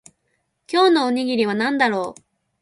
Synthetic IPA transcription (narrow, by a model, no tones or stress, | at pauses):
kʲo̞ːno̞oɲ̟iɡʲiɾʲiβ̞anãnd̪aɾo̞ː